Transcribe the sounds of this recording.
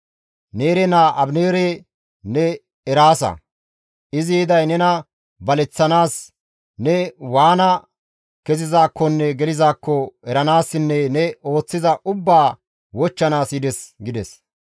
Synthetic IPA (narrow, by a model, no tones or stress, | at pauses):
ne̞ːɾɛnaːʔɐbneːɾɛ | nɛ | ɛɾaːsɐ̰ | ʔɪzid̪ɐjnɛnɐ | bɐlɛt͡sːɐnaːs | nɛwaːnɐ | kɛzɪzaːkːɔnːɛɡɛlɪzaːkːɔɛɾɐnaːsːɪnːɛnɛo̞ːt͡sːɪzɐʔʊbːaː | wɔt͡ʃːɐnaːsɪd̪ɛsɡɪd̪ɛs